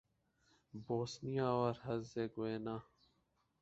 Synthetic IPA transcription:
boːsnijãːoːɾhəzeːɡʊeːnãː

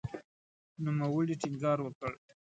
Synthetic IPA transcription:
numawəɽiʈiŋɡɑɾwəkəɭ

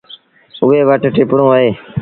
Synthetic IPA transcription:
ʊʋeːʋəʈʈɪpɳõːəɦeː

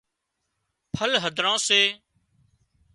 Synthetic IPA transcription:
pʰəlɦəd̪ʱɾãːseː

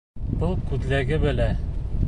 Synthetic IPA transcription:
b̥ɤlˠkʉd̪læɡɘbɘ̆læ

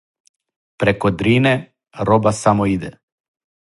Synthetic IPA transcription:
pɾekod̪ɾiːne | ɾobasamoid̪ɛ

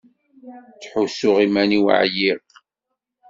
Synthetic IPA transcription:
t͡sħusʊʁimæniw̰ʕjiʁ

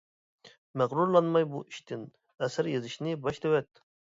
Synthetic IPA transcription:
mæʁɾuɾlˠɑnmɑjbṵiʃt̪ʰɪn | ɛsæɾjezɪʃnɪbɑʃd̪ewɛt̪

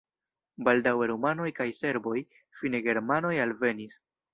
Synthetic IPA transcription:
baldaweɾumano̞jkajse̞ɾbo̞j | fine̞ɡe̞ɾmano̞jalve̞nis

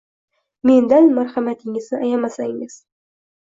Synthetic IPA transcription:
me̞nd̪anmaɾχamat̪ʰɪŋɪznɪʔajamasaŋɪz̥

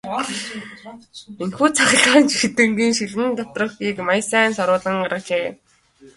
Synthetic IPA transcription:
enxuːt͡sʰaχ̆ɮaːnt͡ɕxit̪ɘ̆ŋɡiːŋʃiɮɘ̆nt̪ɔt̪̆rə̆xɡiːkmajsæːnsɔɾʊːɮə̆ŋɢaɾə̆k̚t͡ɕeː

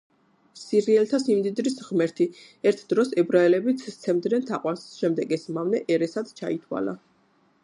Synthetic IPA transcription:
siɾiɛlt̪ʰasimd̪id̪ɾisʁmɛɾt̪ʰi | ɛɾt̪ʰd̪̥ɾɔsɛbɾaɛlɛbit̪sʰt̪sʰɛmd̪nɛnt̪ʰaqʼwansʃɛmd̪ɛɡɛsmavnɛʔɛɾɛsad̪t͡ʃʰa̰it̪ʰwa̰la̰

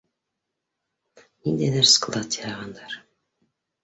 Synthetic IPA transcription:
nind̪æjðæɾsklˠɑt̪ɑjɑʁɑnd̪ɑɾ

